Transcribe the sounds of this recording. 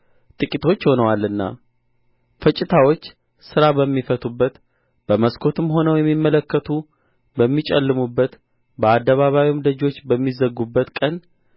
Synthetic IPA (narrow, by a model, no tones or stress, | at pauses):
t̪ʼɨkʼit̪ʰo̞t͡ʃːho̞nəwalːɨnːa̰ | fət͡ʃʼɪt̪ʰawo̞t͡ʃː | sɨɾabəmːifət̪ʰʼubːət̪ | b̥əməskʰo̞t̪ʰɨmɦo̞nəwjɛmːimːələkːət̪ʰu | bəmːit͡ʃʼɛlːɨmubːət̪ | bəad̪ːəβaβawimd̪əd͡ʒo̞t͡ʃːbəmːizəɡːubːət̪kʼən